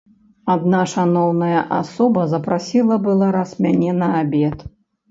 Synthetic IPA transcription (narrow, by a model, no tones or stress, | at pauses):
ad̪naʂanɔwnɐjɐʔasɔbɐzɐpɾasʲilˠɐbɨlˠaɾɐsmʲanʲɛnɐabʲɛt̪